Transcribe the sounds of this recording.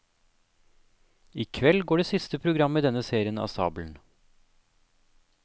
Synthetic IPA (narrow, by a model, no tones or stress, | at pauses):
iːkʰʋɛlɡoːɖeːsɪst̪əpʰɾʊɡɾɑmːiːd̪ɛnəseːɾɪənɑ̰ːsɑ̰ːbln̩